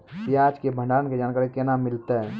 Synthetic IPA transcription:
piad͡ʒkebʱə̃ɳɖaənked͡ʒaːnkaɾikenamɪlt̪e

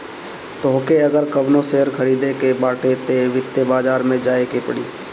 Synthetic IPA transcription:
t̪oɦkeɐɡəɾkɐbnoseɦəɾkʰɐɾiːd̪ekebaːʈet̪eʋɪt̪ːebaːd͡ʒaːɾmẽd͡ʒaːekepəɽiː

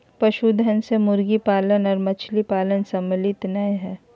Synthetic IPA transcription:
pɐʃud̪ʱɐnsemʊɾɡipaːlənɔːɾmɐt͡ʃʰlipaːlənsɐmlɪt̪naẽɦɛː

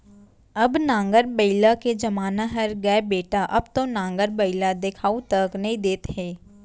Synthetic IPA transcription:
ɐbnãːŋɡəɾbəɪlaked͡ʒɐmaːnaɦɐɾɡɐebeːʈaʔɐbt̪õnãːŋɡəɾbəɪlad̪ekʰaːut̪ɐknɐɦĩd̪eːt̪ɦɛ̃ː

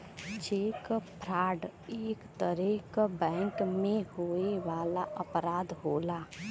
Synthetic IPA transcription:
t͡ʃeːkpʰɾaːɖeːkt̪əɾekbɛ̃ːŋkmẽhoːeʋaːlaʔəpɾaːd̪ɦoːlaː

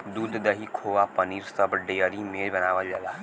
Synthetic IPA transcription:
d̪uːd̪d̪əɦikʰoːʋapəniːɾsəbɖejəɾimẽbɐnaːʋad͡ʒɐlaː

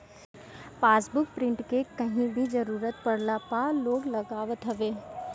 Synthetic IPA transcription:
paːsbʊk̚pɾɪ̃ɳʈkekɐɦĩbʱid͡ʒɐɾuːɾət̪pɐɽlapaloːɡlɐɡaːʋət̪ɦɐʋeː

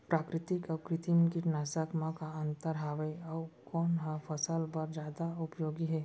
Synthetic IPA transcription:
pɾaːkɾɪt̪ɪkəkɾɪt̪imkinaːsəkmãkaə̃nt̪əɾɦaːʋəjɔwkɔːnɦafʰəsəlpɐɾd͡ʒjaːd̪aʊpjoːɡiɦɛː

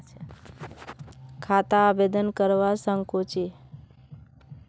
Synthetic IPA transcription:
kʰat̪aːbed̪ənkəɾʋasəŋkot͡ʃi

